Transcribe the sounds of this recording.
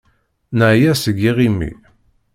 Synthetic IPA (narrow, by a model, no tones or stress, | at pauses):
nəʕjæsəɡːiʁimːḭ